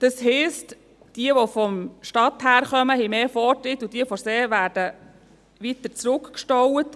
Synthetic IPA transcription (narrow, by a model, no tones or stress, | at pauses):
d̥ɑsɦɛst | d̥iəʋofɔmʃtɑt̪hæːɾχœməhɛɪmeːfɔtɾɪtːud̥iəfɔɾseːʋæːɾd̥ə | ʋit̪əɾt͡sɾʊkkʃtɔwət